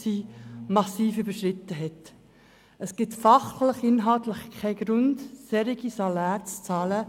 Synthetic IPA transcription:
siːmɑsiːfyb̥əʃɾɪtəɦɛt | əsɡ̥ɪtfɑχləχɪnɦɑltləχkʰaɪɡɾʊndsɛɾiɡisɑlæːɾt͡st͡sɑːlə

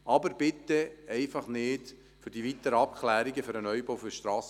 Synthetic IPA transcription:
ʔɑbəɾb̥ɪt̪ːəɛɪfɑχnɪːd | fʏɾd̥iʋit̪əɾəɑpkʰlæːɾiɡəfʏɾənœʏbɔʊfʏʃtɾɑːs

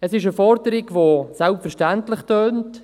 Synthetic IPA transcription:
əsɪʃəfɔɾdəɾɪɡvosɛlpfɛɾʃtɛntlɪχtøːnt

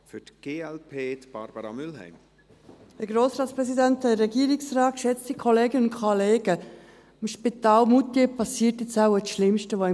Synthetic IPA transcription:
fytɡ̥eːɛlpʰeːt̪b̥ɑɾb̥əɾɑmʏlɦɛ̰ɪm | əɡɾoːsɾɑːt̪t͡sspɾɛsidænt̪ɛəɾɛɡiːɾiksɾɑːtʃɛt͡stikʰoleːɡənʊntkʰoleːɡə | mʃpit̪ɑːlmut̪jepɑsiətɪt͡saʊəʃlɪmʃtəʋoɪ

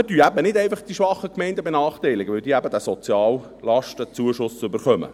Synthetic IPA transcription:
ətyːæbənɪdɛɪfɑχd̥iʃʋɑχːəkmɛɪndəbenɑːχtɛɪlɪɡəʋɪld̥̪iːæbədæsɔt͡sjɑːl | lɑʃtət͡suəʃʊsʏbəɾχœmə̰

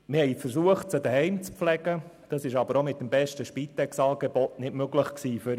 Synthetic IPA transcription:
mɪhɛɪfəɾsuəχtt͡sədəhɛɪmt͡spflɛɡ̥əd̥ɑsɪʃɑbəɾomɪt̚dəmbɛʃtəʃpit̪ɛksɑːɡ̥ebɔtnɪdmøɡləχksiːfʏɾ

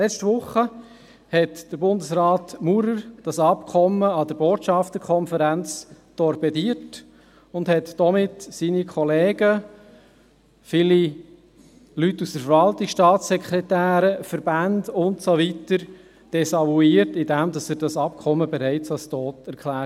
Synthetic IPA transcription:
lɛt͡ʃtʋʊχːə | hɛtd̥əɾbʊndəsɾɑːtmuɾəɾd̥ɑsɑpkʰɔmːəɑdəɾboːtʃɑft̪əɾkʰɔnfəɾænt͡s | d̥ɔɾbɛdiːət | ʊndhɛtd̥ɔmɪtsinikʰɔleːɡə | fiːli | lytːusd̥əɾfəɾvɑltɪkʃtɑːtsɛkʰɾɛtæːɾəfəɾbændʊntsɔʋitəɾ | d̥ɛsɑluiːəɾtɪdæmdɑsæːɾdɑsɑp̚kʰɔmːəbɛɾæɪt͡sɑlstɔːtɛɾkʰlæː

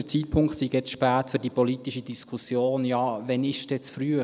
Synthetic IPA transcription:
ət͡siːt̚pʰʊŋkχt̪siːɡjɛt͡sʃpæːtføːɾd̥ipɔlit̪iʃidiskʰusjoːnjɑːʋɛnɪʃd̥ɛt͡sfryə

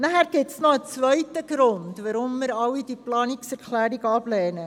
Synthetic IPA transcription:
nəhærkɛtsnɔət͡svœɥtəɡrɔntvaːɾɔmːəɾɐwidiplɑːniksərkʰlæːɾikɑplɛːnə

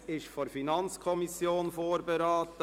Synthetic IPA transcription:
ɪʃfɔɾfinɑnt͡skʰɔmisjoːnfoːɾbɛɾaːt̪ə

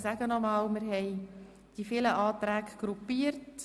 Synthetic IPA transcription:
sæɡənɔmɑːlmɪɾɦɛj | d̥ifiləʔɑːt̪ɾæːkɡ̥ɾupːiːəɾt

